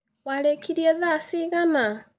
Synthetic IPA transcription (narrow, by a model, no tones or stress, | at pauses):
walekʰiɾjeβasiɣama